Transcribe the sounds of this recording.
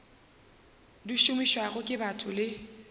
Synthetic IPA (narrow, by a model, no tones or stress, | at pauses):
diʃʊmiʃwaɣʊkʼɪbatʰʼʊlɪ